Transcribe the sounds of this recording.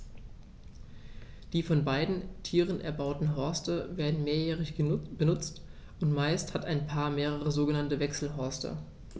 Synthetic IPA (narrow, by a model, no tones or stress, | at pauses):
d̥iːfɔnbaɪdn̩tʰiːʁənʔɛ̰ɐbaʊtn̩ɦɔɐstəveːɐdn̩meːɐjɛːʁɪçb̥ənʊt͡st | ʔʊntmaɪsthataɪnpʰaːɐmeːʁ̞əʁ̞əzoːɡənantəvɛksl̩ɦɔɐstʰə̰